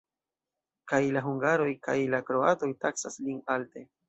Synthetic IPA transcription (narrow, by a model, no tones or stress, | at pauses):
kajlaɦuŋɡaɾo̞jkajlakɾo̞ato̞jtaksaslinalte̞